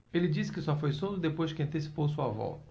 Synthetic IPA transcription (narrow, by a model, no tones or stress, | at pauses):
elɪd͡ʒisɪ̥kɪsɔfojsõd̪ʊd̪epojʒd͡ʒɪkɪɐ̃nt̪esi̥powsuɐvɔ̰t̪ɐ